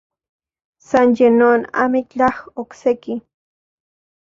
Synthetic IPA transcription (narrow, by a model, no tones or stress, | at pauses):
sanjenona̰mikt͡ɬaχokseki